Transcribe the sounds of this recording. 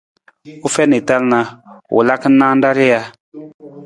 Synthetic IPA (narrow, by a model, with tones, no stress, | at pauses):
u˦fɛ˦ne˨ta˦lna˨wṵ˨la˦kə˦nːãː˦n˦da˦ɾi˦ja˦